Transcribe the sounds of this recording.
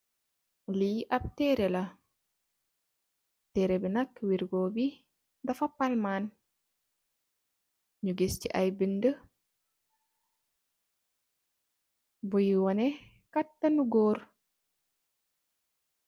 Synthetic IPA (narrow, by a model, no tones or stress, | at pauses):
lijʔɐp̚tɛːɾɛlɐ | tɛːɾɛbinɐkwiɾɡɔbi | dɐfɐpalman | ɲuɡesciʔajbində | bujiwɔnɛ | katːɐnuɡɔːr